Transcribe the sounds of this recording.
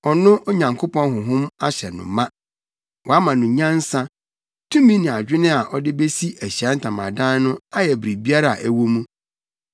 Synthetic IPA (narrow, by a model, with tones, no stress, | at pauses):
ɔ˨nʊ̃˦ʔo˦ɲã˨ŋkʰo˦pʰɔ̃˦nɦʊ̃˨ɦʊ̃˦ma˦ɕɛ˨nʊ̰̃˨mã˦ | wʔɔ˨a˦mã˨nʊ̃˨ɲã˦n̩˦sã˦ | tʰũ˦mĩ˦nɪ̃˨a˨d͡ʑᶣɪ˦nɪ̃˦a˨ʔɔ˦dɪ˦be˦si˦æ˨ɕɛ˦n̩˦tʰã˨mã̰˨dã˦n˦nʊ̃˦a˦jɛ˨bɾi˨bi˦a˦ɾa˦˨ʔæ˦wo˦mũ˦